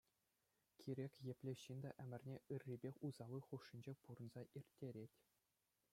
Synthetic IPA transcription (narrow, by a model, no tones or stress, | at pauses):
kʲʰiɾʲekʲjĕpʲlʲĕɕind̪ɑʔɘ̆mʲɘ̆rʲnʲeɯrʲːibʲexʲuzɑlˠɯχuʂːinʲd͡ʑepuɾɤ̆nzɑʔirʲtʲːeɾʲetʲ